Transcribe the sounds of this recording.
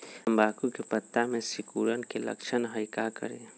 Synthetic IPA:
mbaːkukepət̪ːamẽsɪkuːɾənkelə̰kt͡ʃʰənɦəɪkakə̰ɾḛ

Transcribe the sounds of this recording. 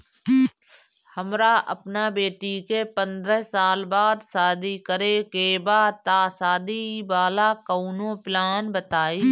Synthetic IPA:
həmɾaʔə̰pnabeːʈikepə̃nd̪ɾəɦsaːlbaːd̪saːd̪ikəɾekebaːt̪aːsaːd̪ibaːlakəunõplaːnbət̪aːiː

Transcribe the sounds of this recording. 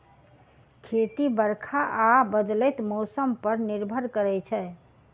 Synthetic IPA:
kʰet̪ibəɾkʰaʔabəd̪lɛət̪mɔsəmpəɾniɾbʱəɾkəɾɛt͡ʃʰɛ

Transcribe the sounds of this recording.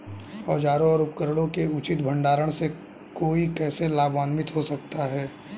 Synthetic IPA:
ɔːd͡ʒaːɾõɔːɾʊp̚kəɾəɽõkeʊt͡ʃɪt̪bʱə̃ɳɖaːɾəɽ̃se | koːikɛːselaːbʋaːnmɪt̪ɦosɐk̚t̪aɦɛː

